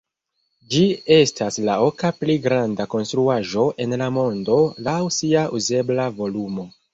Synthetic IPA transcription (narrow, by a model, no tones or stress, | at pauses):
d͡ʒie̞stʰaslaokapliɡɾandako̞nstɾuaʒo̞ʔe̞nlamo̞ndo̞lawsiaʔuze̞blavo̞lumo̞